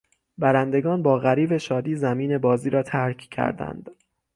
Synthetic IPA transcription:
bæɾænd̪e̞ɡɒːnbɒːɣæɾiːbe̞ʃɒːd̪iːzæmiːne̞bɒːziːɾɒːt̪ʰæɾcʰcʰæ̰ɾd̪æ̰nd̪̥

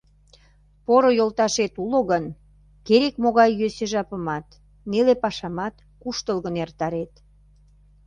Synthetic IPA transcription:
poɾojolt̪ɑʃet̪uloɣən | keɾekmoɣɑjːøseʒɑpəmɑt̪ | nelepɑʃɑmɑt̪ | kuʃt̪əlɣənert̪ɑɾet̪

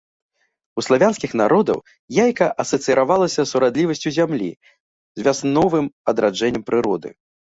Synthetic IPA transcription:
uslˠavʲanskʲixnaɾɔd̪ɐ̰w | jajkɐʔɐsɐt̪sɨɾavalˠɐsʲɐsuɾad̪lʲivɐsʲt͡sʲuzʲamlʲḭ | zʲvʲasnɔvɨmɐd̪ɾad͡ʐɛnʲːɛmpɾɨɾɔd̪ɨ̰

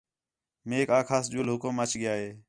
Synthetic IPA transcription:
meːkaːkʰaːsd͡ʒulɦʊkʊmət͡ʃɡɪjaːɦeː

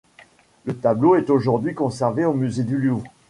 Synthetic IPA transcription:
lət̪abloɛt̪oʒuʁd̪ɥikɔ̃sɛʁveomyzed̪ylju

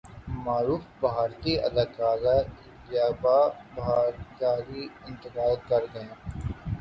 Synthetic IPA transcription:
maːɾuːfbɐɦaːɾt̪iʔɐ̰d̪aːkaːɾa | jaːbaːbaːɾkaːɾiɪ̃nt̪ɪkaːjt̪̚kɐɾɡɐẽː

